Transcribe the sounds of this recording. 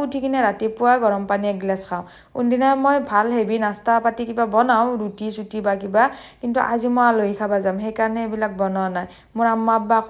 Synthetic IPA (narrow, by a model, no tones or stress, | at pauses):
utʰikʰinɛɾatipʊwaɡɔɹɔmpaniɛɡlaskʰaʊ̃ | kundinamojbʱalɦebinastapatikibabɔnaw̃ɹutisutibakibakintuʔazimoaloikʰabazamɦejkaɹɔnɛebilak̚bɔnɔnaj | mʊɹamːabak